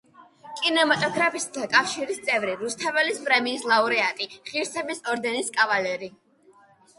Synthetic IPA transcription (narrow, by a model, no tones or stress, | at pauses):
kʼinɛmat̪ʼɔɡɾapʰisd̪ʰakʼafʃiɾist̪sʼɛvɾiɾust̪ʰavɛlispʼɾɛmiːslˠauɾɛat̪ʼiχiɾsɛbisɔɾd̪ɛniskʼavalɛɾi